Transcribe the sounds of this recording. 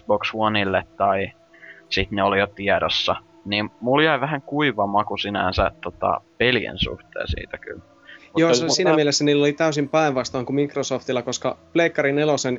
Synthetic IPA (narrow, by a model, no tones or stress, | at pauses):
bokshuonilːet̪tɑi | sit̪neolijot̪iɛɾosːɑ | nimmuljæiʋæɦæŋkuiʋɑmɑkusinæ̰nsæ̰t̪t̪ːot̪ɑ̰pelijḛnsṵht̪ḛːsḭːt̪æky̰l | mujoːsiːnæmielesːæniːlːolit̪æysimpæeʋʋɑst̪ɑːŋkumikrosoːft̪ilːɑkoskɑpleikːɑɾinelosen